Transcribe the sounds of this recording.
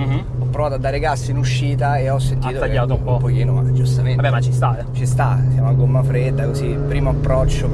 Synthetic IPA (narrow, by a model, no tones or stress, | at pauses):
ɔpːɾovaːt̪oad̪ːaːɾekasːiinuʃːiːt̪aeɔsːent̪aiːt̪ot̪ːaʎːaːt̪oumpɔpokiːnoa̰d͡ʒust̪amenabɛmat͡ʃist̪aɛt͡ʃist̪asjaːmoaɡomːafɾed̪ːakozi | pɾiːmoapːɾɔt͡ʃːo